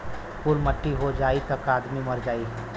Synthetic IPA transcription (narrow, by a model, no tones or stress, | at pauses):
puɾməʈːiɦod͡ʒaːit̪ɐkaːd̪mimɐɾd͡ʒaːiɦɛː